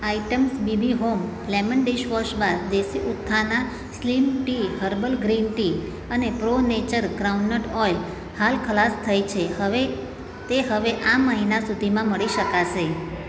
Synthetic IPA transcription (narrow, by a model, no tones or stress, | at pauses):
aiʈəmsbibiɦom | lɛmənɖiʃʋɔʃbad̪d̪esiʊt̪ʰːana | slimʈiɦəɾbəlɡɾinʈi | ənepɾonet͡ʃəɾɡɾauɳːəʈɔjl | halkʰəlast̪ʰəjt͡ʃʰehəʋe | t̪eɦəʋeʔaməɦinasud̪ʱimãməɭiʃəkaʃe